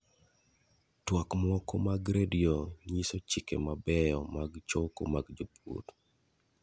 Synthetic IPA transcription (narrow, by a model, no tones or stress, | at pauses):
twakmɔkɔmaɡɾedioɲisot͡ʃikḛmabɛjɔmaɡt͡ʃoko̰maɡd͡ʒopṵt